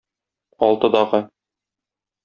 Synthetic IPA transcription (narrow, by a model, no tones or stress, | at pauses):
ɒlˠt̪ɤ̆d̪ɑʁɤ